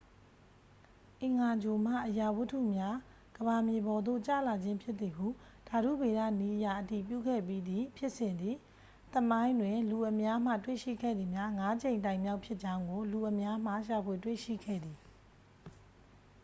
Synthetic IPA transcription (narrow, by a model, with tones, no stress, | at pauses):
ʔɪ̃˨ŋa˨d͡ʑo˨m̥a̰˦˨ʔəja˨wʊ˦tʰṵ˦˨mja˦ | ɡ̥əβa˨mje˨bɔ˨d̪o̰˦˨t͡ɕa̰˦˨la˨d͡ʑɪ̃˦mpʰjɪ˦t̪ːi˨ɦṵ˦˨ | d̥a˨ɾṵ˦˨be˨ɾa̰˦˨ni˦ʔəja̰˦˨ʔəti˨p̬jṵ˦˨ɡɛ̰˦˨p̬ji˦d̪i˨pʰjɪ˦ʔsɪ̃˨nd̪ði˨ | t̪əmã˦ɪ̃ndwɪ̃˨lu˨ʔə˨mja˦m̥ä̰˦˨twḛ˦˨ʃḭ˦˨ɡɛ̰˦˨d̪i˨mja˦ŋa˦d͡ʑẽ˨ɪ̃ntã˨ɪ̃mja˦ʊpʰjɪ˦ʔt͡ɕã˦ʊ̃ŋɡo˨lu˨ʔəmja˦m̥a̰˦˨ʃa˨pʰwe˨twḛ˦˨ʃḭ˦˨ɡʰɛ̰˦˨d̪ði˨